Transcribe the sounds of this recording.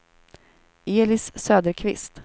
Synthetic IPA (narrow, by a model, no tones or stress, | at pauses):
eːlɪsːøːd̪əɾkʰvɪ̰st̪